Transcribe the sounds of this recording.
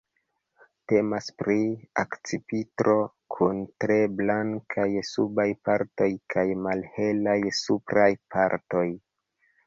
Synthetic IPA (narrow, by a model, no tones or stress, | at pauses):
te̞maspɾia̰kt͡sipitɾʔo̞ | kʰuntɾe̞blaŋkʰajsubajpaɾto̞jkʰajmalhe̞lajsupɾajpʰaɾto̞j